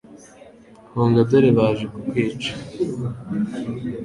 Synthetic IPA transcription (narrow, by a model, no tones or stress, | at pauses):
hoːŋɡadaɾeβaːʒekukweːt͡ʃḁ